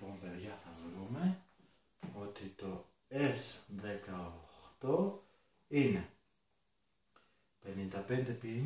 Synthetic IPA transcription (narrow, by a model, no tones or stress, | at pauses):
po̞mpe̞ðʝɐθɐvɾume̞ | o̞t̪it̪o̞ | e̞sðe̞kɐoxt̪o̞ | ine̞ | pe̞nind̪ɐpe̞nd̪e̞pi